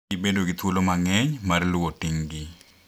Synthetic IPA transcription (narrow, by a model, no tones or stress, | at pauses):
ibendoɡɪt̪wolomaŋɛɲmarlʊwotɪŋɡɪ